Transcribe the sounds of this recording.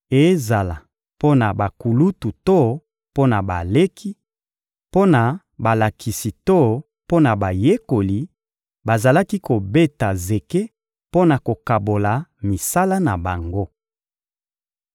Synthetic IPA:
e˨˦za˨la˨ | po˦na˨ba˨ku˨lu˦tu˨to˦˨ | po˦na˨ba˨le˦kʰi˦ | po˦na˨ | ba˨la˨kʰi˨si˨to˦ | po˦na˨ba˨je˦ko˨li˨ | ba˨za˨la˦ki˦ko˨be˦ta˨ze˨ke˦ | po˦na˨ko˨ka˨bo˨la˨mi˨sa˦la˦na˨ba˨ŋɡo˦

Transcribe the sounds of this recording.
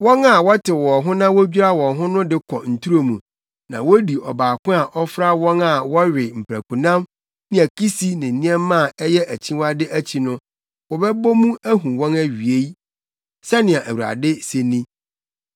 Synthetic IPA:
wɔ̃˦na˨wɔ˦tʰɪ˨wɔ˨ɦʊ̃˦nã˦wo˦bᶣi˦ɾa˦wɔ̃˨ɦʊ̃˦nʊ̃˦dɪ˦kʰɔ˨n̩˨tʰu˦ɾo˦mũ˨ | nã̰˨wo˦di˨ʔɔ˨baː˨kʊ̃˦a˨ʔɔ˦fɾa˦wɔ̃˦na˨wɔ˦ɥɪ˨m̩˨pʰɾæ˨kũ˨nã˦m | nɪ̃˦æ˨kʰi˦si˦nɪ̃˨n̩˨nĩ˦ɛ̃˦mː˦ã˦˨ɛ˦jɛ˦ʔæ˨t͡ɕʰĩ˦wa˦dɪ˦ʔæ˦t͡ɕʰi˨nʊ̃˦ | wɔ˨bɛ˦bɔ˦mũ˦æ˦ɦũ˨wɔ̃˦næ˦ɥi˨e˦j | sɛ˦nɪ̃˨a˨ʔæ˨wu˨ɾa̰˨dɪ˦se˨nĩ˦

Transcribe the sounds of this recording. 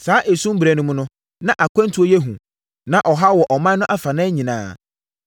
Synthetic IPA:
saː˨˦ʔe˨sũ˦m˦bɾæ˨nʊ̃˦mʊ̃˦nʊ̃˦ | nã˦ʔa˨kʰʷã˦ntʰu˨˦o˦jɛ˦ɦũ˨ | nã˦ʔɔ˨ɦa˦wɔ˨ʔɔ˨mã˦nʊ̃˦ʔa˦fa˨nã˦ɲĩ˨nã̰ː˨˦˨

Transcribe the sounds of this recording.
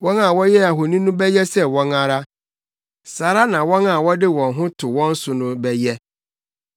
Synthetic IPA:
wɔ̃˦na˨wɔ˦jɛ˦a˨ɦo˨nĩ˦nʊ̃˦bɛ˦jɛ˦sɛ˦˨wɔ̃˦na˦ɾa˦ | sa˨ɾa˦nã˨wɔ̃˦na˨wɔ˦dɪ˦wɔ̃˨nɦʊ̃˦tʰʊ˨wɔ̃˦n̩˦sʊ˨nʊ̃˦bɛ˦jɛ˦

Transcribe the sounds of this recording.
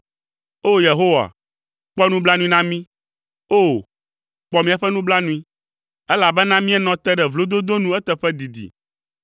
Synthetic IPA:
o˦je˨ɦo˦wa̰˨ | k͡pɔ˦nũ˦bla˦nũ˦i˦nã˦mĩ˦ | o˦ | k͡pɔ˦mĩ˦a˨ɸɛ˦nũ˦bla˦nũ˦ĩ˦ | ɛ˦la˨bɛ˦nã˦mĩ˦ɛ˦nɔ̃˨t̪ɛ˦ɖɛ˨vlo˦d̪o˦d̪o˦nũ˦ɛ˦t̪ɛ˨ɸɛ˦d̪i˨d̪ḭ˨

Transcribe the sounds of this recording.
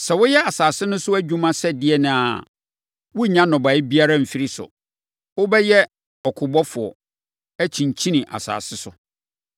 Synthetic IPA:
sɛ˨wʊ˦jɛ˦a˨saː˨sɪ˦nʊ̃˦sʊ˦æ˦d͡ʑᶣũ˦mã˦sɛ˦dɪ˦ɛ˨nʊ̃˨a̰˨ | wʊ˦ɲã˦nɔ̃˨ba˨ɪ˦bi˦a˦ɾã˦m̩˨fi˦ɾi˦sʊ̰˨ | wʊ˦bɛ˦jɛ˦ | ɔ˨kʰʊ˨bɔ˦fʊ˨ɔ̰˨ | æ˦t͡ɕʰĩ˨ɲ˨t͡ɕʰĩ˦nĩ˨ʔa̰˨sa̰ː˨sɪ˦sʊ˨

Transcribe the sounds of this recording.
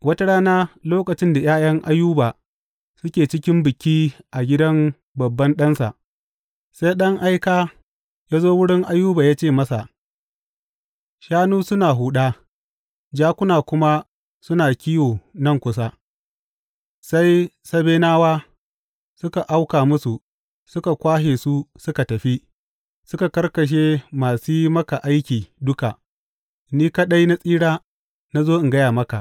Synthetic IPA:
wɐ˦ta˦ɽaː˦naː˦loː˦kɐ˨t͡ʃɪ˦nda˨jaː˦jɐ˦ŋʔa˦jːuː˦baː˨ | sʊ˦kʲeː˨t͡ʃɪ˦kʲɪ˦mbɪ˨kʲiː˦ʔa˨ɡʲɪ˦dɐ˦m | bɐ˨bːɐ˦nɗɐ˦nsa̰˨ʔ | sa˦jɗɐ˦ŋʔa˦jkaː˦ | jaː˦zoː˦wʊ˦ɽɪ˦ŋʔa˦jːuː˦baː˨jaː˦t͡ʃeː˦˨mɐ˦sa̰˨ | ʃaː˦nuː˦sʊ˦naː˨ɦuː˨ɗaː˦ | d͡ʒaː˦kʷʊ˦naː˨kʷʊ˦ma˦ | sʊ˦naː˨kʲi˦joː˨nɐ˦ŋkʷʊ˦sa˦ | sa˦j | sɐ˦beː˦naː˦waː˦ | sʊ˦ka˨ʔa˦wkaː˨mʊ˦su˨ | sʊ˦ka˨kʷaː˦heː˨su˦sʊ˦ka˨tɐ˨ɸi˦ | sʊ˦ka˨kɐ˦rkɐ˨ʃ̬eː˦maː˨siː˦mɐ˦ka˨ʔa˦jkʲiː˨dʊ˦ka˨ | niː˦ka˦ɗɐ˦jna˦sʼiː˦ɽaː˦ | na˦zoː˦ʔɪ˨ŋɡɐ˦jaː˨mɐ˦ka˨ʔ

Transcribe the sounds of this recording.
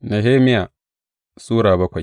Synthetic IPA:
na˨ɦeː˦mɪ˦jaː˨ | suː˦ɾaː˨bɐ˦kʷa˨j

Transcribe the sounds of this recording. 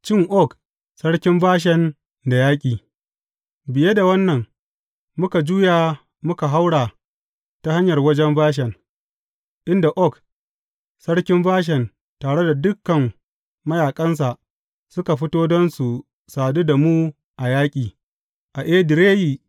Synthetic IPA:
t͡ʃɪ˦ŋʔɔ˦k | sɐ˦ɽkʲɪ˦mbaː˦ʃ̬ɛ˨n | da˨jaː˦kʲʼiː˨ | bɪ˨je˦da˨wɐ˦nːɐ˨ŋ | mʊ˦ka˨d͡ʒuː˦jaː˨ | mʊ˦ka˨ɦa˦wɽaː˨ | ta˦ha˦ɲjɐ˨rwɐ˦d͡ʒɛ˦mbaː˦ʃ̬ɛ˨n | ʔɪ˦nda˨ʔɔ˦˨k | sɐ˦ɽkʲɪ˦mbaː˦ʃ̬ɛ˨n | taː˨ɽe˦da˨dʊ˦kːɐ˨mː | ɐ˦jaː˨kʼɐ˦ns̬a˨ʔ | sʊ˦ka˨ɸɪ˦toː˦dɐ˦nsu˨ | saː˨du˦da˨muː˦ | ʔa˨jaː˦kʲʼiː˨ | ʔa˨ʔeː˦dɪ˨ɾeː˦ji˨

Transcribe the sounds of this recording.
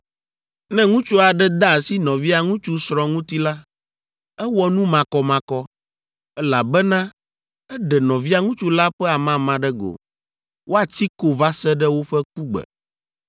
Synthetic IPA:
nɛ̃˦ŋũ˦t͡ʃu˦a˨ɖɛ˦d̪a˦˨si˦nɔ̃˨vi˦a˨ŋũ˦t͡ʃu˦sɾɔ̃˨ŋũ˦t̪i˦la˦ | ɛ˦wɔ˦nũ˦mã˨kɔ˨mã˨kɔ˦ | ɛ˦la̰˨bɛ˦nã˦ | ɛ˦ɖɛ˨nɔ̃˨vi˦a˦ŋũ˦t͡ʃu˦la˦ɸɛ˦a˨mã˦mã˨ɖɛ˦ɡo̰˨ | wʔo˦a˨t͡ɕi˦ko˨va˦sɛ˦ɖɛ˦wo˦ɸɛ˦k͡pu˦ɡ͡bɛ̰˨

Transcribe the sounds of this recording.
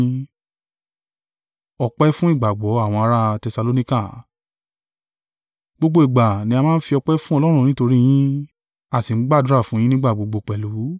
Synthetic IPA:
ɔ˧k͡pɛ˦fũ˦i˦˨ɡ͡ba˨ɡ͡bɔ˨˦a˦˨w̃ɔ̃˧a˧ɾa˦˧tɛ˧sa˧lo˦nĩ˦ka˦˨ | ɡ͡bo˧ɡ͡bo˧i˨ɡ͡ba˨nĩ˧˦a˧mãː˦n̩˦fi˧ɔ˧k͡pɛ˦fũ˦ɔ˧lɔ˦ɾ̃ũ˦˨nĩ˦to˧ɾĩ˦j̃ĩ˦ | a˦˨si˨˦ɡ͡ba˦˨du˦ɾa˦˨fũ˦j̃ĩ˦nĩ˦ɡ͡ba˦˨ɡ͡bo˧ɡ͡bo˧k͡pɛ˨lu˨˦

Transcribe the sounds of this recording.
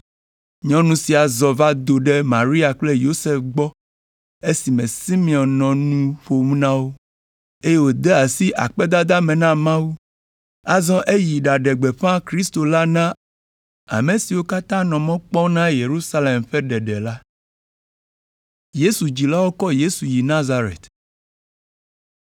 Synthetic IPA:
ɲɔ̃˦nũ˨˦si˨a˨zɔ˨va˦d̪o˨ɖe˦mã̰˨ɾi˦a˨k͡ple˦jo˦se˨fɡ͡bɔ˦ | e˦si˨mẽ˨si˦mĩ˨ɔ˨nnɔ̃˨nũ˦ɸo˨mũ˦nã˦wo˦ | e˦je˦wo˦d̪e˦a˨si˦ʔa̰˨k͡pɛ˦d̪a˦d̪a˦mẽ˨nã˦mã˦wu˦ | a˦zɔ̃˦ʔe˦ji˨ɖa˨ɖe˨ɡ͡be˨ɸã˦kɾi˦st̪o˨la˦nã˦ | a̰˨me˨si˨wo˦ka˦t̪ã˦nɔ̃˨mɔ̃˦k͡pɔ˦nã˦je˨ɾu˦sa˦le˨mɸɛ˦ɖɛ˨ɖɛ˨la˦ | je˦su˨d͡ʑi˨la˦wo˦kɔ˦je˦su˨ji˨nã˦za˦ɾḛ˨t̪

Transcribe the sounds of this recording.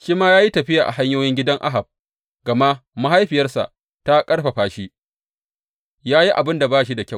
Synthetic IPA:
ʃiː˦maː˦jaː˦ji˦tɐ˨ɸɪ˦jaː˨ʔa̰˨ɦa˦ɲjoː˦jɪ˦ŋɡʲɪ˦dɐ˦ŋʔa̰˦ɦa˨b̚ | ɡɐ˨ma˦ʔma˦ɦa˦jɸɪ˨jɐ˦rsa̰˨ʔ | ta˦kʼɐ˦ɽɸa˨ɸaː˨ʃi˦ | jaː˦ji˦ʔa˨bɪ˦nda˨baː˦ʃ̬i˦da˨kʲa˦˨w

